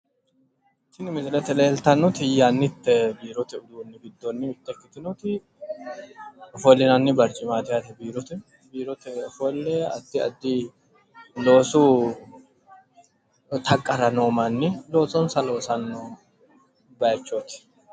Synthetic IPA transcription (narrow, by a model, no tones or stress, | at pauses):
t̪ɪnɪmɪsɪlɛt̪ɛleːlt̪ɐnːɔt̪ɪjːanːɪt̪ːɛbiːɾɔt̪ɛʊd̪uːnːɪɡɪd̪ːɔnːɪɪt̪ːɛkːɪt̪ɪnɔt̪ɪ | ɔfɔlːɪnɐnːɪbɐɾt͡ʃʼɪmaːt̪ɪjat̪ɛbiːɾɔt̪ɪ | biːɾɔt̪ɛɔfɔlːɛɐ̰d̪ːɪɐ̰d̪ːɪ | lo̞ːsu | t̪ʰɐkʼːɐɾɐnoːmɐnːɪlo̞ːsɔnsɐlo̞ːsɐnːo | bɐjt͡ʃːɔt̪ɪ̥